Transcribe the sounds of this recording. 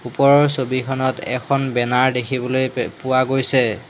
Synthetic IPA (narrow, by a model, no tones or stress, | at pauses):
upɔɹɔɹsobikʰɔnɔtɛ̰kʰɔnbɛnaɹdekʰibɔlojpʊwaɡojsɛ